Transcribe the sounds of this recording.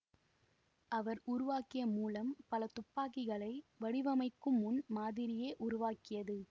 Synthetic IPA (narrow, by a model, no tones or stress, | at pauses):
ʔɐʋɐɾʊɾʊʋaːkɪjɐmuːlɐmpɐlɐt̪ʊpːaːkɪɣɐɭɐɪʋɐɽɪʋɐmɐɪkːɯmːʊnmaːðɪɾɪjeːʔʊɾʊʋaːkɪjɐðɯ